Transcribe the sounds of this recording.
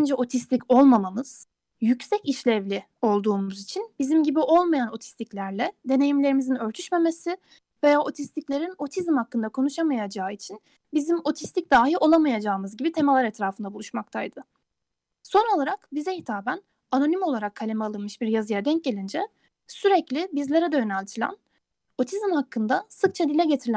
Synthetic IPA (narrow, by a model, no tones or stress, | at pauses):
nd͡ʒɛo̞t̪ʰist̪ʲico̞lˠmamamɯz̥ | jycsɛciʃlʲɛvlʲi | o̞lˠd̪uːmuzit͡ʃʰinbizimɟibiʔo̞lˠmajano̞t̪ʰi̥st̪ʰiclʲæɾlʲɛd̪e̞ne̞jimlʲe̞ɾimizinø̞ɾt̪ʰyʃme̞me̞sɪ | ve̞jaːʔo̞t̪ʰist̪ʰiclʲe̞ɾino̞t̪ʰizmhakːɯnd̪akʰo̞nuʃamajad͡ʒaːit͡ʃʰin | bizimo̞t̪ʰist̪ʰic̚d̪aːɦiʔo̞lˠamajad͡ʒaːɯmɯzɟibit̪ʰe̞mɛlˠaɾɛt̪ɾaːfɯnd̪abulˠuʃmak̚t̪ʰajd̪̥ɯ | so̞no̞lˠaɾakbizɛhit̪ʰaːbæn | ano̞nimo̞lˠaɾakʰːalʲe̞mɛalˠɯnmɯʃbiɾjazɯjad̪ɛɲc̚ɟe̞lʲind͡ʒɛ | syɾɛclʲibizlʲe̞ɾɛd̪ɛjønælʲt̪ʰilʲæ̰n | o̞t̪ʰizmhakʰːɯnd̪asɯk̚t͡ʃʰad̪ilʲɛɟe̞t̪ʰiɾlʲ